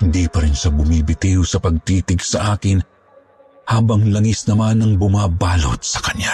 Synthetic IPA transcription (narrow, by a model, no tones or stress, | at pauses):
hɪnd̪iːpɐɾɪnʃabʊmibɪt̪ihʊsɐpɐɡ̚t̪iːt̪ɪɡsɐʔaːkɪn | haːbɐŋlɐŋisnɐmanɐŋbʊmaːbaːlo̰t̪̚sɐ̥kɐɲa